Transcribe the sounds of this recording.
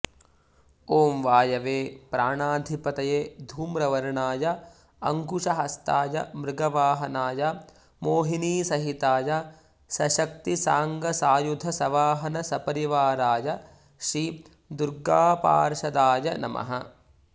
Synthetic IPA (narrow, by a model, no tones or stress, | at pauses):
oːmʋaːjɐʋeːpɾaːɳaːd̪ʱipɐt̪ɐjeːd̪ʱuːmɾɐʋɐɾɳaːjɐ | ɐŋkuʂɐɦɐst̪aːjɐ̰mɾɪɡɐʋaːɦɐnaːjɐ | moːɦiniːsɐɦit̪aːjɐ | sɐʃɐk̚t̪isaːŋɡɐsaːjud̪ʱɐsɐʋaːɦɐnɐsɐpɐɾiʋaːɾaːjɐ | ʃi | d̪uɾɡaːpa̰ːɾʃɐd̪aːjɐnɐ̰mʔɐ̰ɦɐ